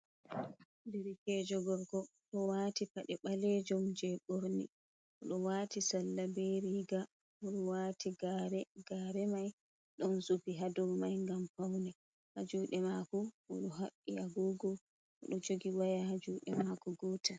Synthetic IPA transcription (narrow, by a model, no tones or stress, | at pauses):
diɾikɛd͡ʒɔɡɔɾɡɔ | ɗɔwatipaɗɛɓalɛd͡ʒɔmd͡ʒɛɓoɾnḭ | ʔɔɗɔwatisalːabeɾiɡa | ɔɗɔwaːtiɡaɾɛɡ̥aːɾɛmaj | ɗɔnsubiɦadɔɾmajŋɡampawnɛ | had͡ʒuːɗɛmakɔɔ̰ɗɔɦaɓːiaɡuɡɔ | ɔɗɔd͡ʒoɡiwajahad͡ʒuːɗɛmakɔɡɔːta